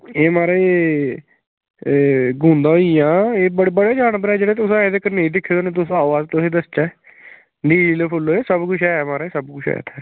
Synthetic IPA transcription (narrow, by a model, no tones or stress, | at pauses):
eːmaːɾeː | ɡũːnd̪ãːɦoijãːeːbəɽbəɽeːd͡ʒaːɳbəɾɛːd͡ʒeːɽeːt̪ʊsãed̪eːkəɾneːd̪ɪkʰːeːd̪oːnẽːt̪ʊsaːʋaːzt̪osẽːd̪əst͡ʃɛː | d̪iːliːleːpʰʊloːeːsəbkʊt͡ʃʰɛːmaːɾeːsəbkʊt͡ʃʰɛ̰ːt̪ʰɛː